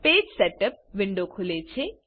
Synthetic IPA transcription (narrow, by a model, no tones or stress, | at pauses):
peːd͡ʒseʈəp̚ʋɪɳɖokʰulet͡ʃʰe